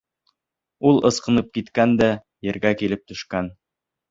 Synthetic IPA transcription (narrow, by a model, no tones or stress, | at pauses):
ulˠɤ̆sqɤ̆nɤp̚kit̪kænd̪æ | jɘ̆ɾɡækilɘp̚t̪ɵ̆ʃkæn